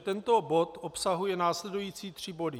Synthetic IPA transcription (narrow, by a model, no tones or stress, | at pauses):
t̪ɛnt̪o̞bo̞t̪ʔopsaɦujɛnaːslɛdujiːt͡siːt̪r̝̥ɪbo̞dɪ